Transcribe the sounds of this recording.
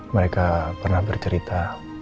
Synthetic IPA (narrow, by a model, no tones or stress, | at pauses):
məɾekapərnahbərt͡ʃəɾit̪a